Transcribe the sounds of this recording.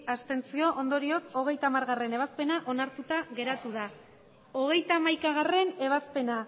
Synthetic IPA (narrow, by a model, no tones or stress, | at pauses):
ast̪e̞nt͡sio̞ʔond̪o̞ɾio̞ko̞ɣ̞e̞jt̪amaɾɣare̞ne̞β̞aspe̞naʔo̞naɾt̪ut̪aɣe̞ɾat̪uð̞a | o̞ɣ̞e̞jt̪amajkaɣ̞are̞ne̞β̞aspe̞na